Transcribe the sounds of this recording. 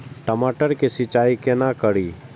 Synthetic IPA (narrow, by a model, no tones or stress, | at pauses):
ʈəmaʈəɾkesɪt͡ʃaːikenakəɽiː